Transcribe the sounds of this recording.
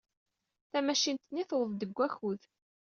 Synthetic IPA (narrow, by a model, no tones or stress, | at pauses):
θæmæʃint̪nːiθwəðd̪əɡʷːæçuð